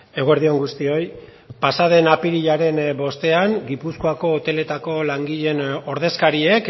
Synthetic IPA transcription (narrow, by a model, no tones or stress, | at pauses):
e̞ɣoeɾðio̞ŋɡust̪io̞j | pasað̞e̞napiɾiʎaɾe̞nbo̞st̪e̞aŋɡipuskoako̞ːt̪e̞le̞t̪ako̞laŋɡiʎe̞no̞ɾðe̞skaɾiek